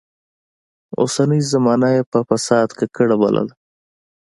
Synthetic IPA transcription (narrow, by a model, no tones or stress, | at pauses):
o̰sanəjzamɑːnajepəfasɑːd̪kekəɽaba̰lʔa̰l